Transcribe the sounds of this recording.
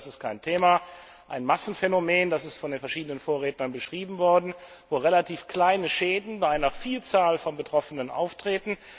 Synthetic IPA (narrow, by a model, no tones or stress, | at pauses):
sɪstkʰaɪntʰeːma | ʔaɪnmasn̩fɛnomeːndasɪstfɔndeːnfɛɐʃiːdənənfoːɐʁeːtnɐnbəʃʁ̥iːbm̩vɔɐdn̩ | voːʁelatʰiːfkl̥aɪnəʃeːdn̩baɪʔaɪnɐfiːlt͡saːlfɔnbətʁ̥ɔfənənʔa̰ʊftʁ̥eːtn̩